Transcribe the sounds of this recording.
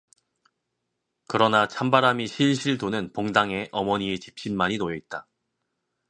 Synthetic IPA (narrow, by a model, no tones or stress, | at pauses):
kɯɾʌnat͡ɕʰambaɾamiɕʰiɭɕʰiɭdonɯnpoŋdaŋe̞ʔʌmʌɲiet͡ɕip̚ɕ͈imːaɲinojʌit̚t͈a